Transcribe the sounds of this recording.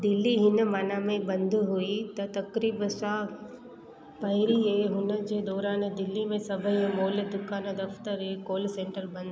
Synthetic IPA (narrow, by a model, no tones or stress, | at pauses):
d̪ɪlːiɦɪnəmaːnamẽbɐ̃nd̪ʱɦuit̪ɐt̪ɐkɾiːbsã | pɐɦɪɾiɦeɦʊnəd͡ʑeːd̪ɔːɾaːnd̪ɪlːimẽsɐbʱəmoːld̪ʊkaːnəd̪ɐft̪əɾɦekoːlsẽːɳʈəɾbɐ̃nd̪